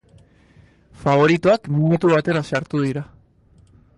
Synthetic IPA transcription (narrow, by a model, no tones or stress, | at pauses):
faβo̞ɾit̪uakminut̪uβat̪e̞ɾasaɾt̪uðiɾa